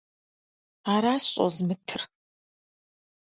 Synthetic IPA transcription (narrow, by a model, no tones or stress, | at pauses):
aːɾaːsɕʼo̰zmɨtʰɨr